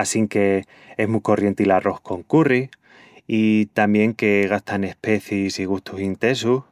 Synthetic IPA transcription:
asiŋke̞ | e̞ɦmuko̞rje̞nt̪ilarʔo̞hko̞ŋkuri | it̪ambje̞ŋke̞ɣ̞ast̪ane̞hpe̞θisiɣ̞ust̪usint̪e̞su

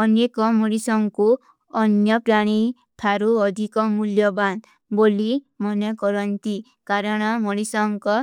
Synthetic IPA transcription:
ɔnekɔmoɽisɔŋku | ɔnjɔpɾaɽ̃i | t̪ʰaɾuɔd̪ʱikɔmuljɔban | boli | mɔnɔkɔɾɔnt̪i | kaɾɔɽ̃ɔmoɽisɔŋkɔ

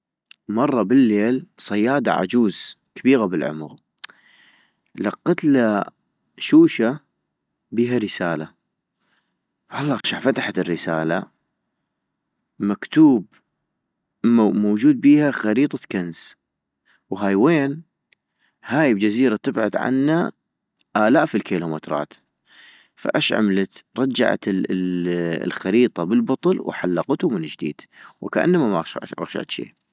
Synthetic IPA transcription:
mɑrˤːɑbɪlːeːlsˤɑjːɑːd̪a̰ʕa̰d͡ʒuːz̥ | kabiːɣabɪlʕʊ̰mɣ | lɑqːɑt̪la | ʃuːʃa | biːɦaɾəsaːla | fhalˤːʔɑɣʃaʕfat̪aħat̪ɪrːɪsa̰ːla̰ | makt̪uːb | moːd͡ʒuːd̪̚biːhaxɑɾiːt̪ˤɑkanz | wɦajweːn | haːjbd͡ʒaziːɾat̪ɪbʕʊd̪ʕa̰nːa | ʔaːlaːʔfilkiːlumɪt̪ɾˤɑ̰ːt̪ | fa̰ʔaʃʕa̰mlat̪ɾˤɑd͡ʒːa̰ʕa̰t̪ | lxaɾiːt̪ˤɑbəlbʊt̪ˤlwħalːɑqt̪ʊmɪnd͡ʒd̪ḭːd̪̥wkaʔa̰nːamamaʔʃa̰ʔa̰ɣʃa̰ʔt̪ʃḭː

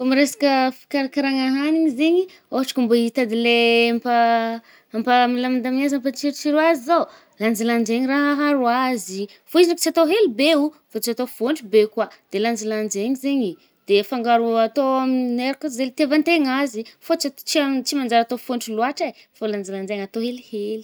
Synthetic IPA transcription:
fomiɾesḁkʲəfi̥kaɾakaɾaŋaɦaniɲizeɲi | oaʈ͡ʂḁkumboit̪ad̪ileampa | ampamilamind̪aminazamfat͡ʃiɾt͡ʃiɾuazizo | land͡ʒiland͡ʒeɲiraɦaɦaɾuazi | foizinaki̥t͡siat̪oɦelubeufot͡siat̪ofoɳʈ͡ʂubekwad̪̥eland͡ʒiland͡ʒeɲizeɲi | d̪̥efaŋɡaɾuat̪oamineɾakazelit̪evant̪eŋazifot͡ʃat͡ʃiat͡simand͡ʒaɾat̪ofoɳʈ͡ʂiluaʈ͡ʂaj | foland͡ʒiland͡ʒeŋat̪oɦeliheli̥

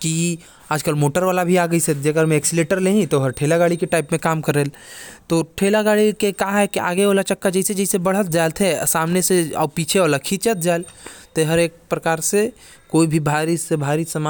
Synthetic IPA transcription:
ki | aːd͡ʒkəlmoːʈəɾʋaːlabʱiaːɡəised͡ʒɐɡəɾmẽeːksɪleːʈəɾnɐɦĩt̪oɦɐɾʈʰeːlaɡaːɽikeʈaːɪpmẽkaːmkɐɾeːlt̪oʈʰeːlaɡaːɽikekaɦɛkia̰ːɡeoːlat͡ʃɐkːad͡ʒɐised͡ʒɛɪsebɐɽ̤ət̪̚d͡ʒaːlt̪ʰesaːmneseɔ̰ːpiːt͡ʃʰeɔːɾlɐkʰit͡ʃət̪̚d͡ʒaːɪlt̪eɦɐɾeːk̚pɾɐkaːɾse | koːibʱibʱaːɾisebʱaːɾisɐma

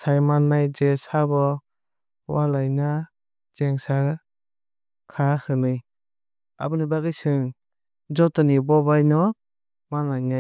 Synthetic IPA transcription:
sajmanːajd͡ʒesaβɔ | walajna | d͡ʒɛŋsaɾ | kʰahɯnɯj | a̰bɯnibaɡɯjsɯŋ | d͡ʒɔtɔnibɔbajnɔ | manajnaj

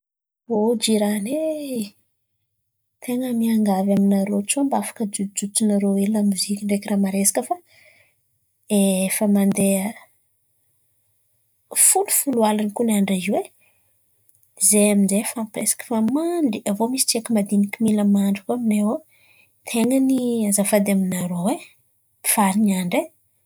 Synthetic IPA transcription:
vod͡ʒiɾane | t̪ʰeŋəmiaŋɡavaminaɾot͡ʃuambafḁkəd͡ʒud͡zut͡sunaɾoelamuzikʲiɳɖ͡ʐekiramaɾesḁkəfa | efəmand̪eə | fulu̥fulualanikunaɳɖ͡ʐaziwe | zeaminzefampresḁkə̥famaɳɖ͡ʐiavomisi̥ʈ͡ʂiakimad̪inikʲimiləmaɳɖ͡ʐikuamineo | t̪ʰeŋəniazafad̪aminaɾowe | pi̥faɾiniaɳɖ͡ʐe

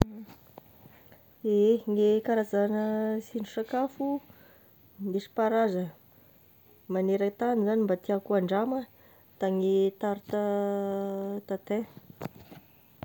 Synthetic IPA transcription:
eɦeŋekaɾazanəsinɖ͡ʐusakafu | neʃi̥paɾazə | maneɾəkt̪anizanimbat̪iakuaɳɖ͡ʐamə | t̪aŋit̪aɾut̪a | t̪at̪ẽ

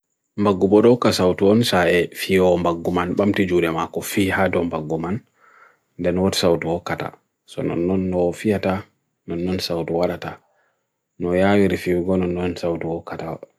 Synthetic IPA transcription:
mbaɡːubɔɗɔkasawtuɔnsaʔɛfiɔmbaɡːumanɓamtid͡ʒuɗɛmakɔfiːhadɔmbaɡːuman | ndɛnɔwɔti̥sawtuhɔkata̰ | sɔ̰nɔ̰nːɔnːɔfijata | nɔnːɔnsawtuwaɗata | nɔjawiɾifiwiɡɔnɔnːɔnsawtuɔkatawa̰

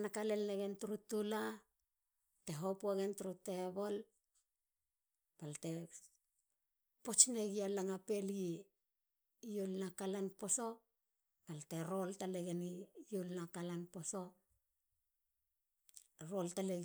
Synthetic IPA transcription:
nakale̞lneɡentuɾutula | te̞ɦo̞puaɡe̞ntuɾute̞bo̞l | palte̞ | po̞t͡ʃneɡialaŋape̞li | jolnakalanpo̞so̞ | palte̞ɾo̞ltaleɡenijolnakalanpo̞so̞ | ɾo̞ltale

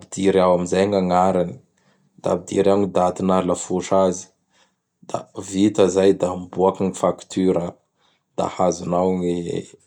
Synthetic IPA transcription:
bid̪̥iɾawamizajaŋaŋaɾani̥ | d̪a̰bid̪ḭɾawɲid̪at̪inaɾlafuʈ͡ʂazi̥ | d̪̥a̰vit̪əzajd̪ambuakaŋifakt̪yɾə | d̪̥a̰hazunawŋḛ

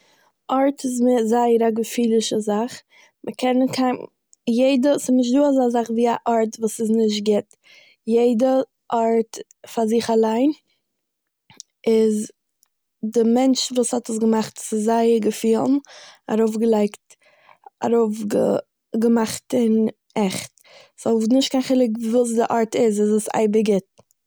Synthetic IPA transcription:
ʔɔɾtɪzmɪzaɪəɾaɡəfiːlˠɪʃəzaχ | məkʰɛnəkʰaɪm | jeɪdəsɪnɪʃ̬tduːazazaχviːaʔɔɾtvuːsɪznɪʃ̬t̚ɡɪt | jeɪdə | ʔɔɾt | fazɪχalˠaɪn | ɪz | dɪmɛnt͡ʃvuːshɔtəs̬ɡəmaχtsɪzaɪɡəfiːlˠn̩a̰ɾoʊfɡəlˠaɪkt | a̰ɾoʊfɡə̰ | ɡəmaχtɪn | ɛχt | sɔʊfnɪʃtkaɪnχɪlˠɪkvuːs̬dɪʔɔɾtɪzɪzəsa̰ɪbəɡɪt̚

